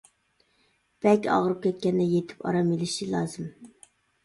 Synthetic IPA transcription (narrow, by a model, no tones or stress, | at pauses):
b̥ɛkʲɑ̰ʁəɾɨp̚kʲʰɛt̪̚kʲɛnd̪ɛjet̪ʰɪ̥pɑ̰ɾɑmelɪʃilˠɑːzɨm